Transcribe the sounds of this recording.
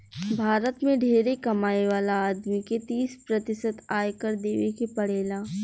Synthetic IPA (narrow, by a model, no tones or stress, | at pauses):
bʱaːɾət̪mẽɖʱeːɾekɐmaːjeʋaːlaaːd̪miket̪iːspɾɐt̪ɪsət̪aːjkəɾd̪eːʋekepɐɽeːlaː